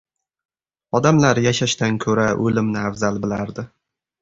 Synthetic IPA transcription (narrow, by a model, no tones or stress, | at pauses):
ɒd̪amlaɾjaʃaʃt̪ankʲʰɵɾaʔɵlɪmnɪavzalbɪlaɾd̪ɪ